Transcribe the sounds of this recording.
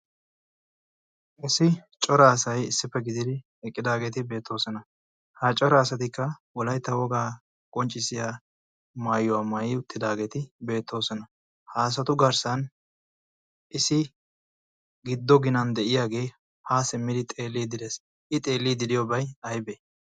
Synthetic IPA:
ʔɪsɪ | t͡ʃʼɔɾaːsɐjɪsːɪpːɛɡɪd̪ɪd̪ɪ | ɛkʼːɪd̪aːɡeːt̪ɪbe̞ːt̪ʰːo̞ːsɔnɐ | hat͡ʃʼɔɾaːsɐt̪ɪkːɐwɔlɐjt̪ːɐwɔɡaː | kʼɔnt͡ʃʼːɪsɪja | maːjʊwaːmajɪːʊt̪ːɪd̪aːɡe̞ːt̪ɪbe̞ːt̪ʰːo̞ːsɔnɐ | haːs̬ɐt̪ʊɡɐɾsɐn | ʔɪsɪ | ɡɪd̪ːɔɡɪnɐnd̪ɛʔɪjaːɡe̞ː | haːsɪmːɪd̪ɪt̪ʼeːlːiːd̪ɪd̪es | ʔɪt̪ʼe̞ːlːiːd̪ɪd̪ɪjobɐjɐjbɛ

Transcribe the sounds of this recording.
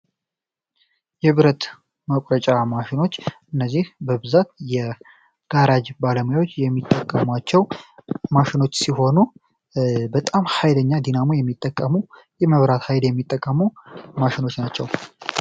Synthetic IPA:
jɛβɨɾət̪ | məkʷʼɾət͡ʃʼamaʃɪno̞t͡ʃːʔɨnːəzːihbəbɨzat̪̚jɛ | ɡ̥aɾad͡ʒbaləməjawot͡ʃːjɛmːit̪ʼːəkʼːəmat͡ʃːɛwmaʃɪno̞t͡ʃːsiɦo̞nu | bət̪ʼamhajləɲːad̪inamojɛmːit̪ʼːəkʼːəmu | jɛməβɾat̪hajljɛmːit̪ʼːəkʼːəmumaʃɪno̞t͡ʃːnat͡ʃːɛw

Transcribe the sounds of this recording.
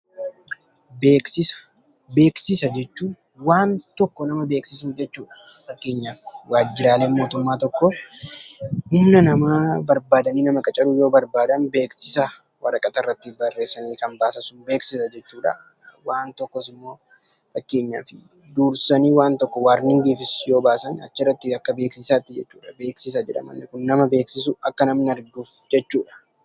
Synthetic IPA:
beːksɪsɐ̥ | be̞ːksɪsɐd͡ʒɛt͡ʃːuː | waːnt̪ɔkːɔnɐmɐbe̞ːksɪs̬uːfd͡ʒɛt͡ʃːuːᶑɐ̥fɐkːe̞ːɲːaːfɪwaːd͡ʒːɪɾaːle̞ːmo̞ːt̪ʊmːaːt̪ɔkːɔ | hʊmnɐnɐmaːbɐɾbaːd̪ɐniːnɐmɐkʼɐt͡ʃʼɐɾʊjo̞ːbɐɾbaːd̪ɐnbeːksɪsɐ | wɐɾɐkʼɐt̪ɐrːɐt̪ːɪbɐrːe̞ːsɐniːkɐnbaːsɐsʊnbe̞ːksɪsɐd͡ʒɛt͡ʃːuːᶑɐ̰ | waːnt̪ɔkːɔsɪmːo̞ː | fɐkːe̞ːɲːaːfɪ | d̪uːɾsɐniːwaːnt̪ɔkːɔwaːɾnɪŋɡiːfɪsjo̞ːbaːsɐnɐt͡ʃːɪrːɐt̪ːɪɐkːɐbe̞ːksɪsaːt̪ːɪd͡ʒɛt͡ʃːuːᶑɐbe̞ːksɪs̬ɐd͡ʒɛᶑɐ̰mɐ̰nːɪkʊnːɐmɐbeːksɪsʊɐkːɐnɐmnɐɾd̪uːfd͡ʒɛt͡ʃːuːᶑɐ̥

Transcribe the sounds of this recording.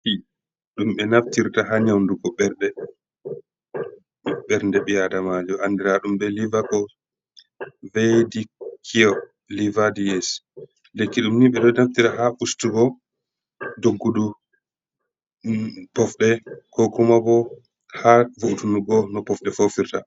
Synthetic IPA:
hi | ɗumɓɛnaftiɾtaɦaɲawnduɡɔɓɛɾɗɛ | ɓɛɾndɛɓijadamad͡ʒɔʔandɛɾaɗumbɛlivakɔ | vedikʰiɔ | livadiɛs | lekːiɗumniɓɛɗɔnaftiɾahaʔustuɡɔ | doɡːudu | pɔfɗɛkʰɔkumabɔ | havuʔtunuɡɔnɔpɔfɗɛfofiɾta

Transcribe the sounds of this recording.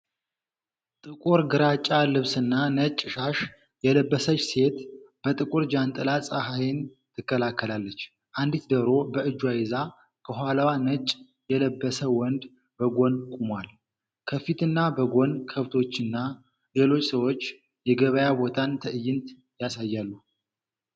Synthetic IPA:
t̪ʼɨkʼuɾɡɨɾat͡ʃʼːalɨβsɨnːanət͡ʃʼːʃaʃ | jɛləbːəsət͡ʃːse̞t̪b̥ət̪ʼɨkʼuɾd͡ʒant̪ʼɨlasʼaɦajɪn | t̪ʰɨkːəlakːəlalːət͡ʃː | ʔand̪it̪d̪əɾo̞bəɨd͡ʒːwajɪza | kʰəɦʷalawanət͡ʃʼ | jɛləbːəsəwɔnd̪ | bəɡo̞nkʼumwal | kʰəfit̪ʰɨnːabəɡonkʰəβt̪ʰo̞t͡ʃːɨnːa | le̞lo̞t͡ʃːsəwo̞t͡ʃː | jɛɡəβəjabo̞t̪ʰant̪ʰəɨjːɪnt̪ | jasajːalːu

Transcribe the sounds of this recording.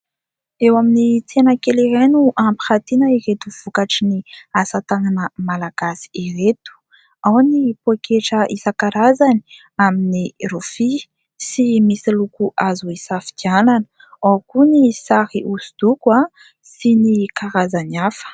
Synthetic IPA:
ewaminit͡senəkeliɾenuʔampi̥xat̪inəiɾet̪uv̥ukaʈ͡ʂiniasat̪aŋanəmalaɡ̥asi̥iɾet̪u̥ | awnipoekʰeʈ͡ʂəʔisakaɾazani̥ | aminirofi | simisilukuʔazuisafi̥d̪iananə̥ | akunisahiʔusu̥d̪̥ukua | sinikaɾazaniafə̥

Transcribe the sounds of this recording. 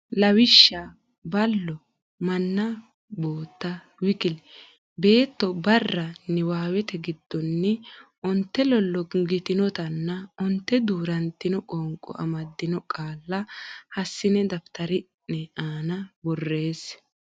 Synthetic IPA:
lɐwɪʃːa | bɐlːɔ | mɐnːɐ | bo̞ːt̪ːɐ | wɪkɪl | be̞ːt̪ːɔbɐrːɐnɛwaːwɛt̪ɛɡɪd̪ːɔnːɛʔʊnt̪ːɛlɔlːɔɡɪt̪ɪnɔt̪ɐnːɐʊnt̪ːɛd̪uːɾɐnt̪ːɪnɔkʼɔŋkʼɔ̰ʔɐ̰mɐd̪ːɪnɔkʼaːlːɐhɐsːɪnɛd̪ɐft̪ɐɾɪnːɛʔaːnɐbɔrːe̞ːs

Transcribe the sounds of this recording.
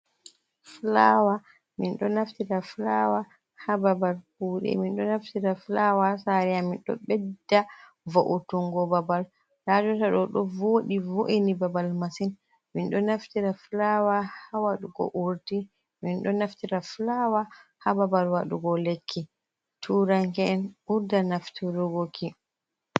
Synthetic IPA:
flawa | minɗɔnaftitaflawa | hababalkuɗɛ̰minɗɔnaftiɾaflawasaɾɛjaminɗɔ̰ɓɛdːa | voʔutuŋɡɔbabal | lad͡ʒɔtaɗɔɗɔvoɗivoʔinibabalmasin | minɗɔnaftiɾaflawahawaɗuɡɔ̰ʔuɾti | minɗɔnaftiɾaflawahababalwaɗṵɡɔlekʰːi | tʰuːɾaŋkɛɛnuɾdanaftiɾuɡokʰi

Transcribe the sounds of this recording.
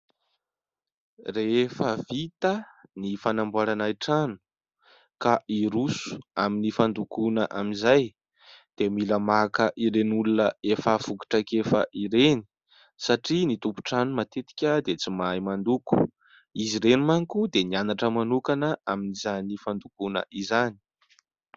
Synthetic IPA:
refəvit̪ənifanambuaɾanaiʈ͡ʂanu̥ | kaʔiɾusu̥aminifand̪ukunəʔaminzaj | d̪̥emiləmakəʔiɾenulunəefavuki̥ʈ͡ʂakefə̰ʔiɾeni̥ | saʈ͡ʂinit̪umpu̥ʈ͡ʂanumat̪et̪i̥kʲəd̪et͡simajmand̪uku̥ | iziɾenumaŋkud̪enianaʈ͡ʂəmanukanəʔaminizanifand̪ukunə̰ʔizani̥

